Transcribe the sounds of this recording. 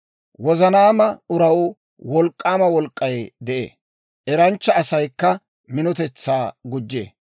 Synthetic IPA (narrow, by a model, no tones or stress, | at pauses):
wɔzɐnaːmɐʊɾɐwʊ | wɔlkʼːaːmɐwɔlkʼːɐjd̪ɛʔḛː | ʔɛɾɐnt͡ʃːɐːsɐjkːɐ | mɪnɔt̪ɛt͡sːaːɡʊd͡ʒːḛː